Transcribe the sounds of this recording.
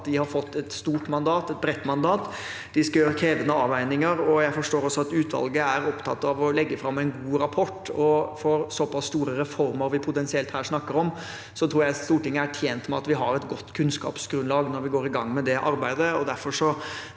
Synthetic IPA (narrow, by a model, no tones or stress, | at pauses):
t̪d̪ɪhɑɾfɔt̪ːɛt̪st̪uːʈmɑnd̪ɑːt̪ɛt̪̚bɾɛt̪ːmɑnd̪ɑːt̪ | d̪̥ɪskɑjøːɾəkʰɾeːd̪ənəɑːʋæɪnɪŋəɾɔjæɪfɔʂʈoːɾɔsːɔɑt̪ʉːt̪ʋɑ̰lɡəæɾɔpt̪ʰɑ̰t̪ːɑʋɔlɛɡːəfɾɑmːæɪnɡuːɾɑpʰɔʈːɔfɔɾsɔpɑsst̪uːɾəɾɛfɔɾməɾʋɪpʰʊt̪ɛnsɪɛlt̪hæːɾʂnɑkːəɾɔm | sɔt̪ʰɾuːɾjæɪst̪uːʈɪŋːəæʈʰjeːnt̪mɛɑt̪ʋɪɦɑɾɛt̪ɡɔt̪ːkʰʉnskɑ̰ːpsɡɾʉnlɑːɡnɔɾʋɪɡoːɾɪɡɑŋːmɛd̪ɛʔɑɾbæɪd̪əɔd̪æɾfɔɾʂɔ